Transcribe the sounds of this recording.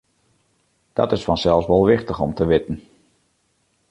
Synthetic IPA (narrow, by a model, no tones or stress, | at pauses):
d̥ɔ̰tɪsfɔnsɛlˠsʋɔlˠʋɪxtəxɔmtəʋɪtn̩